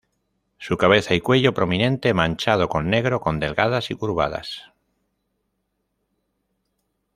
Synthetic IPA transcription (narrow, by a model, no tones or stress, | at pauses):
sukaβ̞e̞θaikwe̞ʎopɾo̞mĩnẽ̞nt̪emãnʲt͡ʃað̞okonːe̞ɣ̞ɾo̞ko̞nd̪e̞lɣaðasikuɾβa̰ða̰s